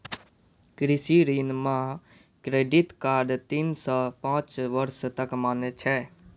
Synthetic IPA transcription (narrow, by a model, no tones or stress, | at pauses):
kɾɪsiɾiːnmãː | kɾeːɖit̪kaːɾɖt̪insaːpãːt͡ʃʋəɾst̪əkmaːnt͡ʃʰɛː